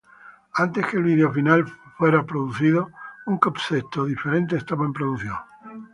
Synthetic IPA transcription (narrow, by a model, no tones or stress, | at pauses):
ant̪e̞skeːlβiðeofinalfwe̞ɾapɾoðuθiðouŋkopset̪oðifeɾe̞nt̪̬eːst̪aβaempɾoðuθjo̰ŋ